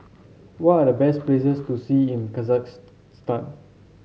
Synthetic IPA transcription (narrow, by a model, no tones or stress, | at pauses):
wɔtadəbɛsplesəstusiĩnkazaks | stãn